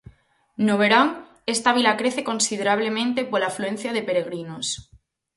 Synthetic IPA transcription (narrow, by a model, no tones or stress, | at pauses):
noβ̞eɾaŋ | e̞st̪aβ̞ilakɾe̞θe̞kõ̞nsið̞eɾaβ̞le̞mẽnt̪e̞polaflue̞n̟θjaðe̞peɾe̞ɣ̞ɾinos